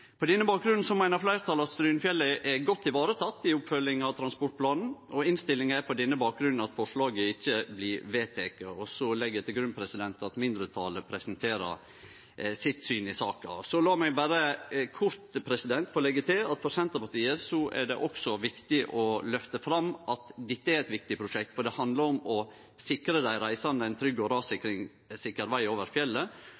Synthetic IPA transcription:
pʰɔd̪ɛnːəbɑːk̚ɡɾʉnn̩sɔmæɪnəɾflæɪɾt̪ʰɑːlɑst̪ɾyːnfjɛlːəʔɛɡɔt̪ʰːɪʋɑːɾət̪ʰɑt̪ːɪʊpfœlɪŋɑʋt̪ʰɾɑnspɔʈ̚pʰlɑːnn̩ʔɔɪnst̪ɪlːɪŋæɾpʰɔd̪ɛnːəbɑːk̚ɡɾʉnn̩ɑt̪fɔʂɭɑːɡəɪçːəblɪːɾʋeːt̪ʰeːkəɔsɔlɛɡjɛt̪ʰɪlɡɾʉnpʰɾɛsɪd̪ɛnt̪ɑt̪mɪnd̪ɾət̪ʰɑːləpʰɾɛsənt̪ʰeːɾə̰ | sɪt̪syːnɪsɑːkɑ̰sɔlɑːmɛɡbæːɾəkʰʊɾt̪pʰɾɛsɪd̪ɛnt̪fɔɾlɛɡːət̪ɪlɑt̪fɔɾsɛnt̪əpɑʈ̪iːəsɔʔɛ̰ɖɛʔɔksɔʋɪkt̪ɪʔɔlœft̪əfɾɑmʔɑt̪d̪ɛt̪ːəæɾɛt̪ʋɪk̚t̪ɪpʰɾʊʂɛkt̪fɔɖ̪ɛhɑnd̪ləɾɔmɔ | sɪkɾəd̪æɪɾæɪsɑnəɛɪnt̪ʰɾʏɡːɔɾɑːsɪkɾɪŋ | sɪkəɾʋæɪoːʋəɾfjɛlːə

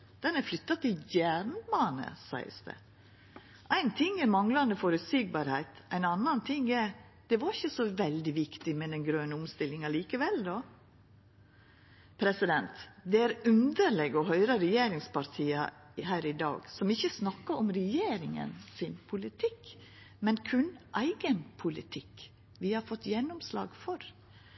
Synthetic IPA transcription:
d̪̥ɛnæɾflʏt̪ːɑt̪ʰɪljæɾnmɑnə̰sæ̰ɪə̰sd̪ə̰ | ʔæɪnt̪ʰɪŋːɛɾmɑŋlɑnd̪əfɔɾʉt̪siːɡ̚bɑːɾhæɪt̪æɪnɑnːɑnt̪ʰɪŋːɛɾd̪̥ɛʋɑɾɪçəsɔʋɛld̪ɪʋɪkt̪ɪmɛd̪ɛnɡɾøːnəʊmst̪ɪlːɪŋɑliːkəʋɛld̪oː | pʰɾɛsɪd̪ɛnt̪d̪ɛæɾʉnd̪əɾlɛɡɔɦœʏɾəɾɛjeːɾɪŋspʰɑɾt̪ʰiːəhæːɾɪd̪ɑ̰ːɡsɔmɪçːəsnɑkːəɾɔmɾɛjeːɾɪŋə̰nsɪnpʰʊlɪt̪ʰɪk | mɛnkʰʉnʔæɪɡənpʰʊlɪt̪ʰɪk | ʋɪhɑɾfɔt̪ːjɛnːɔmslɑ̰ːɡfɔɾ

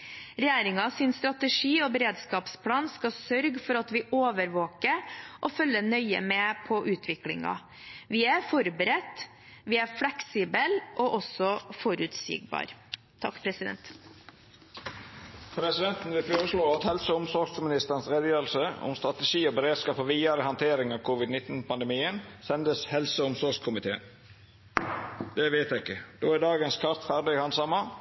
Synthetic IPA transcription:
ɾɛjeːɾɪŋɑsɪnst̪ɾɑt̪əʂiːobəɾeːd̪skɑːpspʰlɑːnskɑsœɾɡfɔɾɑt̪ʋɪʔoːʋəɾʋoːkəɾʔɔfœlːənœʏə̰meːpʰɔʔʉːt̪ʰʋɪklɪ̰ŋɑ̰ | ʋɪæɾfɔɾbəɾɛt̪ː | ʋɪæflɛksiːbəlʔoʔɔsɔfɔɾʉːt̪sḭːɡbɑ̰ːɾ | t̪ʰːɑ̰kːpʰɾɛsɪd̪ɛ̰nt̪ | pʰɾɛsɪd̪ɛnt̪n̩ʋɪfoːɾəsloːɑt̪hɛlsəʊmsɔɾɡsmɪnɪst̪əʁənsɾɛːd̪jøːəlsəʊ̰mst̪ɾɑt̪ɛʃiːɔbəɾeːd̪skɑːpɔʋiːɑɾəhɑnt̪ʰeːɾɪŋɑːʋkʰʊʋɪd̪nɪt̪ːn̩pʰɑnd̪əmiːənsɛnd̪əshɛlsəʊmsɔɾɡskʰʊmɪt̪ʰḛːən | d̪ɛʋeːt̪æɪkːəd̪oːæɖ̪ɑːɡənskʰɑɾt̪fæʁɖɪhɑnsɑmɑ

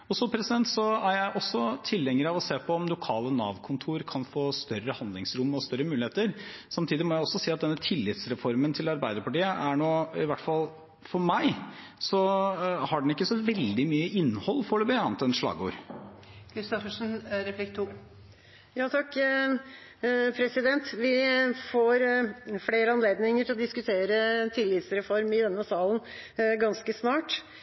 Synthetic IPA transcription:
ɔsɔpʰɾɛsɪd̪ɛnt̪sɔæɾjæɪʔɔsːɔt̪ʰɪlːɛŋːəɾɑʋɔseːpʰɔːmlʊkʰɑːlənɑ̰ːʋkʰʊnt̪ʰuːɾkʰɑnfoːst̪œɾəhɑnd̪lɪŋsɾʊmːɔst̪œɾːəmʉːlɪeːt̪əɾsɑmt̪ʰiːd̪ɪmɔjæɪɔsːɔsiːɑt̪̚d̪ɛnːət̪ʰɪlːɪt̪sɾɛfɔɾmənt̪ʰɪlɑɾbæɪd̪əɾpɑʈiːəʔæɳoːɪʋæʈfɑl | fɔɾmæɪ | sɔhɑɖɛn̩ɪkːəsɔʋɛld̪ɪmyːəʔɪnːhɔlːfɔlʉbəɑnt̪ɛnʂɭɑ̰ːɡṵːɾ | kʰɾɪst̪ɔfəʂnɾɛflɪkt̪ʰːuː | jɑːt̪ʰɑkː | pʰɾɛsɪd̪ɛnt̪ʋɪfoːɾfleːɾəɑnleːd̪nɪŋəʈʰɪlɔd̪ɪskʉt̪ʰeːɾət̪ʰɪlːɪt̪sɾɛfɔɾmɪd̪ɛnːəsɑːlənɡɑnskəsnɑːʈ

